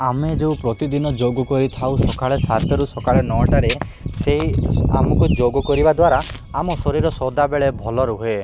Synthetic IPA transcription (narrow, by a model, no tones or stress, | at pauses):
amed͡ʒewpɾɔt̪id̪inɔd͡ʒoɡɔkɔɾit̪ʰawsɔkaɭesat̪ʰɔɾusɔkaɭenɔʈaɾe | seɦia̰mɔkud͡ʒoɡɔkɔɾibad̪waɾa | amɔsɔɾiɾɔsɔd̪abeɭebʱɔlɔɾuɦoe